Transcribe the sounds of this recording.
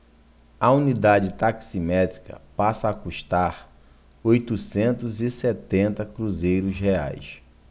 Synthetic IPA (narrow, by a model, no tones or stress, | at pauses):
ɐunid̪ad͡ʒɪt̪aksimɛt̪ɾikɐ̰pasɐːkuʃt̪aɾ | ojt̪usẽnt̪ʊziset̪ẽnt̪ɐkɾuzejɾʊshea̰js